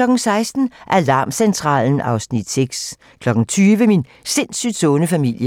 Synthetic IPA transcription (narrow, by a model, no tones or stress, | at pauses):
lɒ̽ɡ̥̩sɑ̈ɪsd̥n̩ʔæɐlɑ̈ːmsent͡sʰʁɑ̰̈ːln̩ɑ̈ʊsnid̥seɡ̥s | kʰlɒ̽ɡ̥ŋ̩t͡sʰyːʋəmin | se̝nsyd̥sɔnəfæmil̰jə